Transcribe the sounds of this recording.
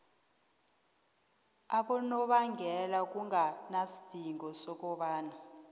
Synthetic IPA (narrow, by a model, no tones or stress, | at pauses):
aɓɔnɔɓaŋɡʱɛlak̬ʼuŋʱanasi̥d̥ʱiŋɡɔsɔk̬ʼɔɓaːna